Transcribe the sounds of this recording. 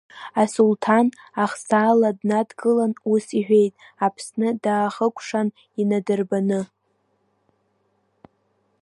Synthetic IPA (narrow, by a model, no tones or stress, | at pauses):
asultʰanaχsaːladnadɡɨlanusiħʷᶣe̞jtʼ | apʰsnɨdaːχəkʷʰʼʂan | inadɨrbanɨ